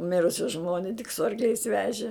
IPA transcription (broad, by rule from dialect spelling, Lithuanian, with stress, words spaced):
ˈmʲɪrʊsʲɪ ˈʒmoːnʲɪ tʲɪk sʊ ɐrkˈlʲɛɪs ˈʋʲæːʒʲɪ